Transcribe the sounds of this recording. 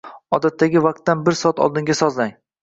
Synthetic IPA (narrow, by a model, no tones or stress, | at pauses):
ɒd̪at̪ʰːaɡʲɪvɑq̚t̪ːanbɪɾsɒat̪ʰɒ̰lˠd̪ɪŋɡʲasɒzlaŋ